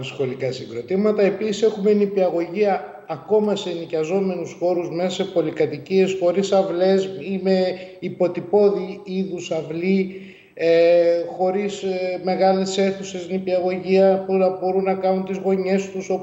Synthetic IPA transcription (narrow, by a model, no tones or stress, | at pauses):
sxo̞likɐsiŋɡɾo̞t̪imɐt̪ɐe̞pisise̞xume̞nipiɐɣo̞ʝiɐː | ko̞mɐsenicɐzo̞me̞nusxo̞ɾuzme̞sɐse̞po̞likɐt̪icie̞sxo̞ɾisɐvle̞sime̞ipo̞t̪ipo̞ðiiðusɐvli | exo̞ɾisme̞ɣɐle̞se̞θuse̞snipiɐɣo̞ʝiɐpunɐbo̞ɾunːɐkɐnunt̪izɣo̞ɲe̞st̪uso̞